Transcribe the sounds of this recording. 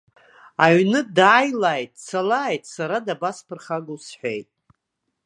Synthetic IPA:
aɥnɨdaːjlaːjtʼsalaːjtʼsaɾadabaspʰɨrχaɡusħʷᶣejtʼ

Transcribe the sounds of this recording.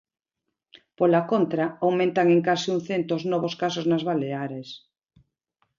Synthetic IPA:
polakont̪ɾaawmẽnt̪aŋẽŋkasiuŋθent̪oznɔβoskasoznazβaleaɾes

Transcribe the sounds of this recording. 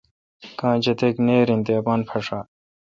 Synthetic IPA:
kãːd͡ʑɐt̪ekneːɾĩnt̪eːpãːnpʰɐʂaː

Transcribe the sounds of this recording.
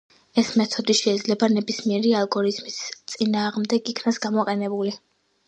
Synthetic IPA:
ɛsmɛt̪ʰɔd̪iʃɛːd̪zlɛbanɛbismiɛɾialˠɡɔɾizmist̪sʼinaːʁmd̪ɛɡikʰnasɡamɔqʼɛnɛbuli

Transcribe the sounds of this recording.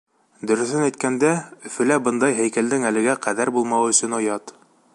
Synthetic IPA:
d̪ɵ̆ɾɵ̆θɵnæjt̪̚kænd̪æɵ̆fɘ̆læbɤnd̪ɑjɦæjkæld̪ɘŋælɘ̆ɡæqæðæɾbulˠmɑwɵ̆sɵ̆nŏjɑt̪

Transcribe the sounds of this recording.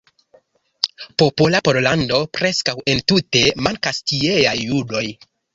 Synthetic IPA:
po̞polapo̞ɾlando̞pɾe̞skawe̞ntute̞maŋkastieajːudo̞j

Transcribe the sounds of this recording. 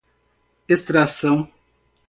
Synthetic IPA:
est̪ɾasɐ̃w̃

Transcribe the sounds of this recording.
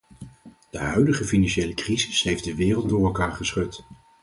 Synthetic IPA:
d̥əɦœɥdəχəfinanʃejləkrizɪsɦejfdəʋɪːrəlˠt̚dʊːɹɛlˠkaːɹχəsχɵt

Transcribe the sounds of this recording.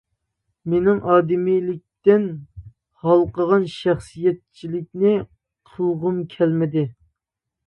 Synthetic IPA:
menɪŋʔɑːd̪ɪmilɪk̚ʲt̪ɪn | hɑlˠqəʁɑnʃæχsijɛt̪̚t͡ʃʰilɪk̚ʲnɪ | qʰuʁʊmkʲʰɛlmɪd̪ɪ

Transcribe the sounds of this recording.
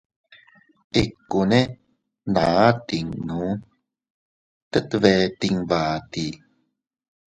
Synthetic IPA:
ʔikːune | nat̪iŋnu | t̪ət̪əvet̪iŋvaːt̪i

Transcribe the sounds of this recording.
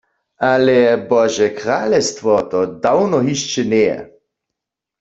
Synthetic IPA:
ʔalɛbɔʒɛkʁaːlɛst̪ʋɔt̪ɔd̪awnɔɦiʃt͡ʃɛnɛjɛ̰

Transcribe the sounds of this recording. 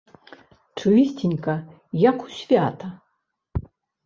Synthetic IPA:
ʈ͡ʂʰɨisʲtʲinʲkɐ | jakʰu̥sʲvʲat̪ʰɐ

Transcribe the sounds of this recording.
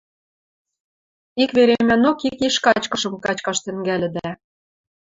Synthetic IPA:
ikβeɾemænokikiʃkɑt͡ɕkɤ̆ʃɤ̆mkɑt͡ɕkɑʃt̪ɘ̆ŋɡælʲɘ̆d̪æ

